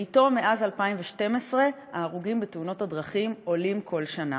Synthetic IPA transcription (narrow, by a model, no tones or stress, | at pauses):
ito̞meʔazalpaimveʃte̞mesʁe̞ | aːʁuɡimbetuno̞thadʁɐχimo̞limkʰo̞lʃana̰